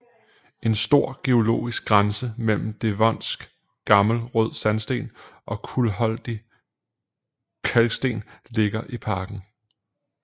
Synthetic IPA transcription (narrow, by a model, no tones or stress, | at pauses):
e̝nsd̥o̝ɐ̰ɡ̥e̝o̝lo̝̰ːisɡ̥̚ɡʁansəmel̰m̩d̥e̝ʋɒn̰sɡ̥ | ɡ̥ɑ̈ml̩ʁɔð̰ˠsænsd̥e̝̰ːnʔɒ̽kʰulɦɒ̽l̰d̥i | kʰælɡ̥sd̥e̝̰ːnle̝ɡ̥ɐʔipʰɑ̈ːɡ̥n̩